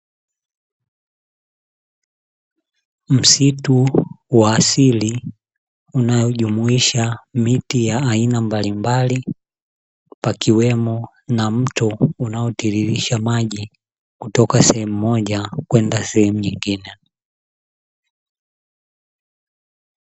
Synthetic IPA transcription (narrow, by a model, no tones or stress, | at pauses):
m̩situwaːsili | unajɔʄumuiʃamitijaːinambalimbali | pakiwɛmɔ | nam̩tɔunaɔtiɾiɾiʃamaʄi | kutɔkasɛhɛmumɔʄakwɛndasɛhɛmuɲiŋɡinɛ